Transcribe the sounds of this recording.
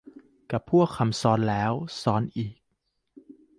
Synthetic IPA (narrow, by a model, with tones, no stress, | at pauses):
ka˨˩pʰu˥˩əkʰːa˧msɔː˦˥nlɛː˦˥wsɔː˦˥nʔiː˨˩k̚